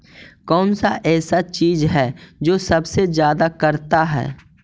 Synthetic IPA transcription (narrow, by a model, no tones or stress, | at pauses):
kɔːnsaʔɛːsat͡ʃiːzɦɛd͡ʒoːsɐbsezjaːd̪akɐɾt̪aɦɛ̰ː